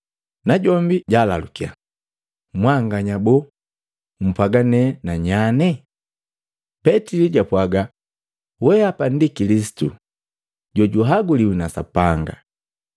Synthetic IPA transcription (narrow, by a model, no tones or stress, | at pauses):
naɟɔmbiɟalalukia̰ | mwaŋɡaɲabɔ | m̩pwaɡanɛnaɲanɛ | pɛtiliɟapwaɡa | wɛapan̩dikilis̬i̥tu | ɟɔɟuɦaɡuliwinasa̰paŋɡa̰